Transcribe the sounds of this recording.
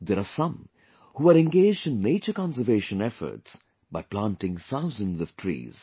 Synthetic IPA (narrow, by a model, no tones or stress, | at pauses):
d̪ɛɾasʌ̃m | huːaɾɛ̃nɡeːd͡ʒdɪ̃nːeːt͡ʃəɾkɑ̃nsəɾveːʃə̃nɛfə̰ɾʈs | baɪplãntɪ̃ŋθaʊzə̃nzɔʋ̥ʈʰɾḭːz̥